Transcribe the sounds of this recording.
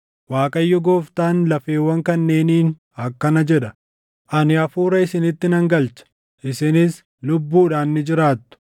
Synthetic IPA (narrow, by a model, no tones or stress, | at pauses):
waːkʼɐjːɔɡoːft̪aːnlɐfe̞ːwːɐŋkɐnːe̞ːniːn | ɐkːɐnɐd͡ʒɛᶑɐ | ʔɐnɪɐfuːɾɐɪsɪnɪt̪ːɪnɐŋɡɐlt͡ʃɐ̥ | ʔɪsɪnɪs | lʊbːuːᶑaːnːɪd͡ʒɪɾaːt̪ːʊ̥